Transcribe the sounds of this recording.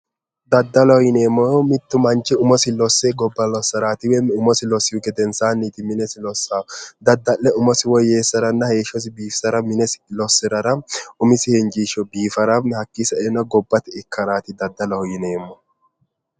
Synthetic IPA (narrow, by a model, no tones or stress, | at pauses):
d̪ɐd̪ːɐlɔhɔjɪneːmːɔmɪt̪ːʊmɐnt͡ʃːɪʊmɔsɪlɔsːeɡɔbːɐlɔsːɐɾaːt̪ɪwɛmʊmɔsɪlɔsːɪjʊɡɛd̪ɛnsaːnːiːt̪ɪmɪnɛsɪlɔsːaːd̪ɐd̪ːɐʔːɛʊmɔsɪwɔjeːsːɐɾɐnːɐheːʃɔs̬ɪbiːfsɐɾɐmɪnɛsɪ̥lɔsːɪɾɐɾɐʊmɪsɪhɛnd͡ʒiːʃɔbiːfɐɾɐmhɐkːɪsɐɛnɐɡɔbːɐt̪ɪɪkʰːɐɾaːt̪ɪd̪ɐd̪ːɐlɐhɔjɪneːmːɔ